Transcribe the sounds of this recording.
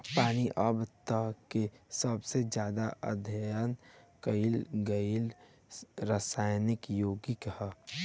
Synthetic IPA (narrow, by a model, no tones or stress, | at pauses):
paːniʔəbt̪əkesəbsed͡ʒjaːd̪aʔə̰d̪ʱəjənkəɪlɡəil | ɾəsaːjnɪkjoːɡikha